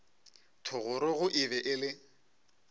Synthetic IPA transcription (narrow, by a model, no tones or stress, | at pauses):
tʰʊɣʊɾɪɣʊʔɪbɛʔɪlɪ